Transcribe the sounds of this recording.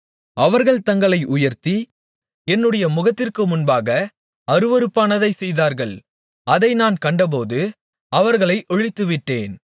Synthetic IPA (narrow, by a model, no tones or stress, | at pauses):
ɐʋɐɾɣɐɭt̪ɐŋɡɐɭɐɪʔʊjɐɾt̪i | ɛnːɯɽɐjɐmʊɣɐt̪ːɪrkɯmʊnbaːɣɐ | ɐɾɯʋɐɾɯpːaːnɐðɐɪsɛjðaːɾɣɐɭ | ɐðɐɪnaːnkɐɳɖɐp̬oːðɯ | ɐʋɐɾɣɐɭɐɪʔɔɻɪt̪ːɯʋɪʈːeːn